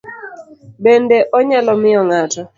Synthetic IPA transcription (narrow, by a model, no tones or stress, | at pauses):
bendeʔɔɲalɔmɪɔŋatɔ